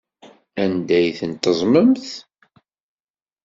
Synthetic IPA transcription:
ænd̪æjθənt̪əzˤməmθ

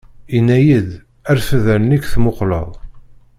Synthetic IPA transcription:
inːæjid̪ | æɾfəðænnikθmoqlə̰ðˤ

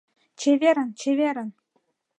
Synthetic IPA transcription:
t͡ɕevʲeɾʲə̆nt͡ɕʰevʲeɾʲɘ̆n

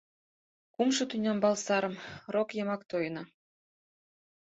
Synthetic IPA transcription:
kumʃɤ̆t̪ynʲɑmbɑlˠsɑɾɤ̆mrokjɤmɑkt̪ojnɤ

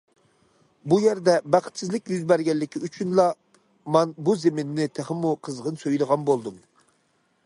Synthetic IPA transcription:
bujɛɾd̪ɛbæχʰə̥t̪sɪzlɪkʲjyzbæɾɡʲɛllːɪkʲʰiyt͡ʃʰynlˠɑ | mɛnbuzemɪnːɪt̪ʰɪχəmuqʰəzʁənsøjlˠəʁɑnbolˠd̪um

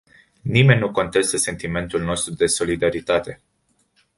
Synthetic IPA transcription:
nime̞nʲːnuko̞nt̪e̞st̪əse̞nt̪ime̞nt̪ulno̞st̪ɾud̪e̞so̞lid̪aɾit̪at̪e̞

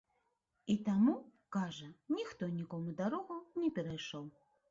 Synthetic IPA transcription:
it̪amu | kaʐɐnʲixt̪ɔnʲikɔmud̪aɾɔɣunʲɛpʲɛɾajʂɔw

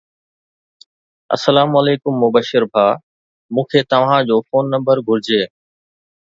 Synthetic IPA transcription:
ɐ̰səlaːmɐleːkʊmːʊbəʃɪɾbʱaː | mũːkʰet̪ɐʋ̤ãd͡ʑoːfoːnːɐ̃mbəɾɡʱʊɾɪd͡ʑeː

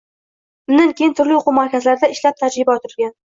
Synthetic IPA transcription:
ʊnd̪aŋkʲejɪnt̪ʰʊɾlɪoqʰʊmaɾkʲʰazlaɾɪd̪aɪʃlap̚t̪ʰad͡ʒɾɪbaɒt̪ʰɪɾɡʲan

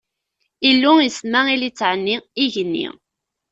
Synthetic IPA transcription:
ilːujəsmæilit͡sːʕənːiiʝənːḭ

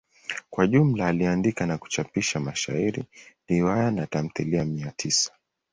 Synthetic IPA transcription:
kwaʄum̩laːliandikanaku̥t͡ʃapiʃamaʃa̰iɾḭliwajanatam̩θiliamiatʰisḁ

